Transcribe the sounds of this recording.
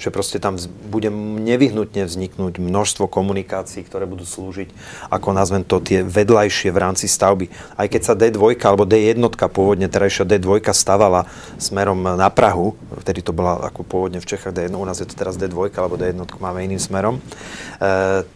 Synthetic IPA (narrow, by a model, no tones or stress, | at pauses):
ʒ̥ɛpɾɔscɛt̪ambuɟɛɲɛʋiɦnut̪ɲɛvzɲiknuːɟmnɔʃst̪ʋɔkɔmunikaːt͡siːk̚t̪ɔɾɛːbud̪uːsluːʒic | ʔa̰kɔnazʋɛnt̪ɔt̪ɪɛʋɛd̪lajʃɪɛʋɾaːmt͡sist̪aʊbiajkɛcsad̪ɛd̪ʋɔjkaalɛbɔd̪ɛjɛd̪nɔt̪kapʊɔʋɔd̪ɲɛt̪ɛɾajʃɪad̪ɛd̪ʋɔjkast̪aʋala | smɛɾɔmnapɾaɦu | ft̪ɛd̪it̪ɔbɔlaa̰kɔpʊɔʋɔd̪ɲɛft͡ʃɛxaːɣd̪ɛjɛnunaːzjɛt̪ɔ̥t̪ɛɾazd̪ɛd̪ʋɔjkaalɛbɔd̪ɛjɛd̪nɔt̪kumaːmɛiniːmsmɛɾɔm